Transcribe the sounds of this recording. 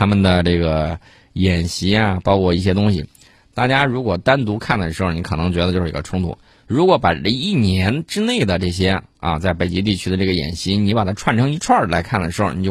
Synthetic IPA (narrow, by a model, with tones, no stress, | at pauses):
t̪ʰa˥mə˨nd̪ə˩ʈ͡ʂɤ˥˩ɡə˩ | jɛ˨˩nɕi˧˥ja˧pɑ˥ʊkʰwɔ˥˧i˥˩ɕ̬jɛ˥t̪ʊ˥ŋɕḭ˨˩ | t̪a˥˩t͡ɕja˥ɻu˧˥kwɔ˨˩t̪a˥nt̪u˧˥kʰa˥˩nd̪ʂ̩˧˥xni˧˥kʰɤ˨˩nɤ˧˥ŋt͡ɕɥɛ˧˥d̪ə˧jo˥˧ʊʂ̩˥˧˥ɡə˧ʈ͡ʂʰʊ˥ŋt̪ʰṵ˨˩˦ | ɻu˧˥kwɔ˧˥pa˨˩ə˥˧i˥˩njɛ˧˥nʈ͡ʂɻ̩˥ne˥˩ɪd̪ə˩ʈ͡ʂɤ˥˩ɕ̬jɛ˥a̰˧t͡sa˥˩ɪpe˨˩ɪt͡ɕi˧˥t̪̬i˥˩t͡ɕʰy˥d̪ə˧ʈ͡ʂɤ˥˩ɡə˩jɛ̰˨˩nɕi˧˥ni˧˥pa˨˩t̪ʰa˥ʈ͡ʂʰwa˥˩nʈ͡ʂʰɤ˧˥ŋi˧˥ʈ͡ʂʰwa˞˥˩la˧˥ɪkʰa˥˩nd̪ə˩ʂɻ̩˧˥xo̰˧˩ni˨˩t͡ɕj